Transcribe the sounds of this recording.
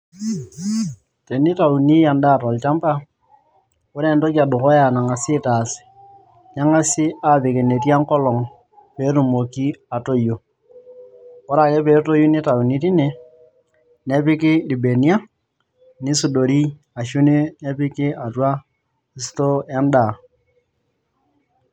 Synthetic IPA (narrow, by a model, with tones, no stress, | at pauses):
te˨ni˦ta˨u˨ni˦ja˨nda˦˨tɔ˨lt͡ʃa˦mpa˦ | ʊ˦ɾe˨nto˦ka˨dʊ˨kɔ˦ja˨na˨ŋa˨sɪ˦taː˨sɪ̥˨ | ɲa˦ŋa˦sɪ˦a˨pe˨ke˨ne˨tja˦ŋkɔ˦lɔ˨ŋ | peː˨˦tu˨mo˨ki˦a˨to˦ju˨ | ɔ˦ɾa˨ke˦peː˨˦to˦ju˦nɪ˦ta˨u˨ni˦ti˦ne˦ | ne˦pɪ˦kɪ˦li˨be˨ni˦a˦ | nɪ˦su˨do˨ɾi˦ | a˨ʃu˦ne˦ne˦pɪ˦kɪ˦a˨twa˦ | i˦sto˦ja˦nda˨